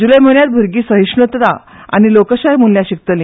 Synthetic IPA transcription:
d͡ʑuləjmonjat̪̚bʱuɾɡiːsəɦiʂnət̪t̪a | a̰ñilokəɕajmunljaɕik̚t̪əli

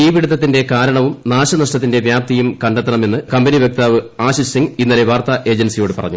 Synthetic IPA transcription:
iːʋiɽut̪ːɐt̪ːinde̞kaːɾɐɳɐʋumnaːɕɐnɐʂʈɐt̪ːinde̞ʋjaːp̚t̪ijumkɐɳɖet̪ːɐɳɐme̞nːɨkɐmbeniʋjɐk̚t̪aːʋɨaːɕisiŋɡinːɐle̞ʋaːrt̪ɐʔe̞ːd͡ʑɐnsijo̞ːɽɨpɐ̰rɐ̰ɲːu

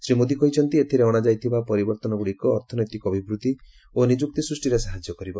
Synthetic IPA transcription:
sɾimod̪ikɔɦit͡ʃʰɔnt̪iet̪ʰiɾeɔɽ̃ad͡ʒajt̪ʰibapɔɾibɔɾt̪ɔnɔbuɽikɔːɾt̪ʰɔnɔjt̪ikɔbʱibɾut̪i | onid͡ʒuk̚t̪isɾusʈiɾesaɦad͡ʒjɔkɔɾibɔ

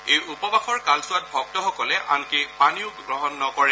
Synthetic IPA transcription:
ejupɔbaxɔɹkalsʊat̚bʱɔɡ̚tɔxɔkɔlɛʔa̰nkepaniʊkɡɹɔɦɔnːɔkɔɹɛ

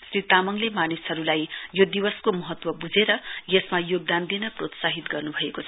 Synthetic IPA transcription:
srit̪amʌŋlemanisɦʌɾulajjod̪iwʌskomʌɦʌt̪wʌbud͡zeɾʌjesmajoɡ̚d̪and̪inʌprot̪saɦit̪ɡʌrnubʱʌekot͡sʰʌ

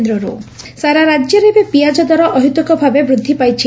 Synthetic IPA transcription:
nd̪ɾɔɾu | saɾaɾad͡ʒjɔɾebepijad͡ʒɔd̪ɔɾɔʔɔɦut̪ɔkɔbʱabebɾud̪ʱːipajt͡ʃʰi

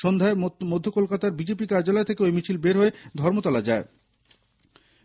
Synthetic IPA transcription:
ʃond̪ʱaemod̪ʱːokolkat̪aɾbid͡ʑepikaɾd͡ʑalɔet̪ʰekeojmit͡ɕʰilbeɾɦoed̪ʱɔɾmot̪ɔlad͡ʑae

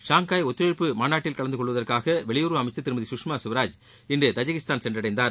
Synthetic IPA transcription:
ʂaːŋkaːjɔt̪ːɯɾɐɾpːɯmaːnaːʈːɪlkɐɭɐnd̪ɯkɔɭːʋɐðɐrkaːɣɐʋɛɭɪjuːɾʋɐɐmɐɪt͡ʃːɐt̪ːɪɾɯmɐðisʊkʂmaːsʊʋɐɾaːd͡ʒ | ɪndrɯt̪ɐd͡ʒɐɣɪst̪aːnsɛndrɐɽɐɪnd̪aːɾ

